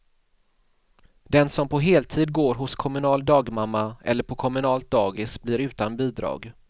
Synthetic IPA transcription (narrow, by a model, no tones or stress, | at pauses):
d̪ɛnsɔmpʰɔɦeːlt̪ʰiːd̪̚ɡoːɾɦʊskʰɔmɵnɑːld̪ɑːɡmamːaɛ̰lːəɾpʰɔkʰɔmɵnɑːlt̪̚d̪ɑːɡɪsblɪɾʉ̟ːt̪anbiːd̪ɾɑ̰ːɡ